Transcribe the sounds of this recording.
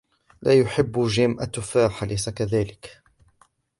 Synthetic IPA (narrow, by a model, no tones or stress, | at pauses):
lʔaːjʊħɪbːʒɪːmʔat̪ːʊfaːħalʔajsakaðaːlɪk